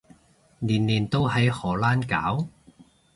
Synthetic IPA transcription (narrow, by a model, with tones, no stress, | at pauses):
niː˨˩nliː˨˩nt̪o˥wɦɐ˨˥jhɔː˨˩laː˥nkaː˨˥w